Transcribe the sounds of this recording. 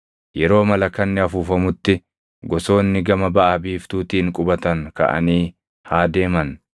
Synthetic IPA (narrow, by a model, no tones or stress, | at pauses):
jɛɾo̞ːmɐlɐkːɐnːɪɐfuːfɐmʊt̪ːɪ | ɡɔso̞ːnːɪɡɐmɐbɐʔabiːft̪uːt̪iːŋkʼʊbɐt̪ɐŋkɐ̰ʔɐ̰niː | haːd̪e̞ːmɐn